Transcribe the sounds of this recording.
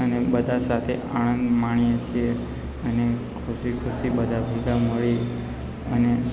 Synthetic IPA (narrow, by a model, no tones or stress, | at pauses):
ənebəd̪ʱasat̪ʰeʔaɽ̃ə̃nd̪maɳ̃ijet͡ʃʰie | ənekʰusikʰusibəd̪ʱabʱeɡaməɭi | əne